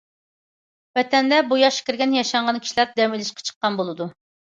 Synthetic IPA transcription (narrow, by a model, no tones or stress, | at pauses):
vɛt̪ʰɛnd̪ɛbujɑʃkʲiɾɡʲɛnjɑʃɑɴʁɑnkʲʰi̥ʃilæɾd̪ɛmilˠɪʃqɑ̥t͡ʃʰə̥qːɑnbolˠɨd̪u